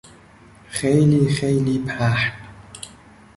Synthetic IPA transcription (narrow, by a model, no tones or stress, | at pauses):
xejliːxejliːpʰaːħn